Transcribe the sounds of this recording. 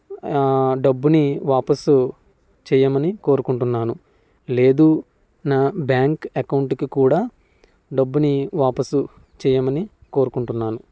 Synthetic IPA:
ɖɐbːuniʋaːpɐsu | t͡ʃɛːjɐmɐniko̞ːɾukuɳʈunːaːnu | le̞ːd̪uː | naːbjaːŋkɐkɐwɳʈkikuːɽaː | ɖɐbːuniʋaːpɐsu | t͡ʃɛːjɐmɐniko̞ːɾukuɳʈunːaːnu

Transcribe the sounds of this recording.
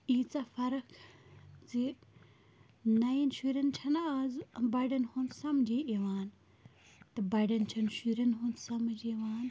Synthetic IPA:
iːt͡saːfɐɾɐkʰzi | nɐinʃuːɾɐnt͡ʃʰɐnaːzbɐɖɐnhunsɐmd͡ʒiʔiʋaːn | t̪ɐbɐɖɐnt͡ʃʰɐnʃuːɾɐnɦunsɐmd͡ʒiʋaːn

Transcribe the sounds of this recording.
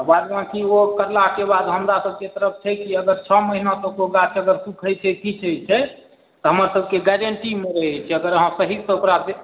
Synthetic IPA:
baɾmãkiokəɾlakebad̪ɦəmɾasəb̚ket̪əɾəp̚ʰt͡ʃʰɛkiəɡəɾt͡ʃʰɔməɦinatəkoɡat͡ʃəɡəɾsukʰət͡ʃʰət̪ʰit͡ʃʰəjt͡ʃʰɛ | t̪ɔɦəməɾsəb̚ʱkeɡɛɾəɳʈimeɾəɦɛt͡ʃʰɛəɡəɾəɦãsəɦisəokɾat̪e

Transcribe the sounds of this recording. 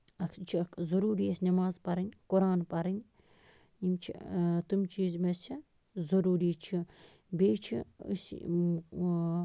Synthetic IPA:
ɐkt͡ʃʰikʰzɐɾuːɾiesʲnɐmaːzpɐɾɐnʲkuɾaːnpɐɾɐnʲ | imt͡ʃʰḭt̪umt͡ʃiːzmet͡ʃʰi | zɐɾuːɾiːt͡ʃʰi | beːt͡ʃʰḭs

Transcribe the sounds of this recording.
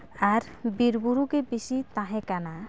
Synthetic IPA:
aɾ | biɾbuɾukebiʃit̪ãɦẽkana

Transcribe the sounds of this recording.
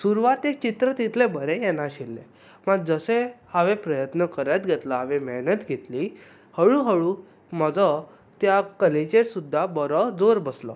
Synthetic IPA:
suɾuʋat̪ek̚t͡ɕit̪ɾət̪it̪ʰlebəɾẽjɛnaɕilːḛ | məɡ̚d͡zəsehaʋepɾəjət̪nəkəɾat̪ɡʱɛt̪laɦaʋẽmɛɦnət̪ɡʱet̪li | həɭũɦəɭũ | məd͡zə | t̪jakəlet͡ɕeɾsud̪ʱːabəɾəd͡zoɾbəslə̰

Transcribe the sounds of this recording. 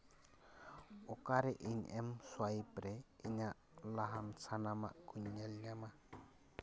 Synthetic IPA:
ɔkaɾɛʔiɲɛmswajpɾɛiɲaʔ | laɦansanama̰ʔkuɲːalɲama

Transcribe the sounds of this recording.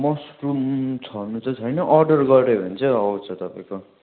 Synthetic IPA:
mʌsʈrumt͡sʰʌnut͡sʌt͡sʰʌjnʌʔʌrɖʌrɡʌrɾebʱʌnt͡sʰʌʌwt͡sʰʌt̪ʌpãĩko

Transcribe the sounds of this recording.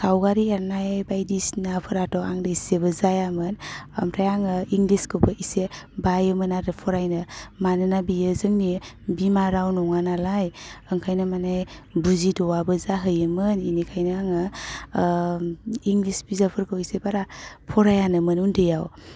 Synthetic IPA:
sawɡaɾiaɾnajajbajdisnapʰɯɾatɔwaŋdɯiseβɯzajamɯnamtʰajaŋəiŋɡliskʰɯpʰəʔisebajɯmɯnaɾɯpʰɔɾajnɯmanɯnabijəzɯŋni | bimaɾawnɔŋanalajəŋkʰajnamanajbuzidɔwabɯzaɦɯjɯmɯninikʰajnaaŋɯ | iŋɡlisbizapʰɯɾkʰawisebaɾapʰɔɾajanɯmənundʰejaw

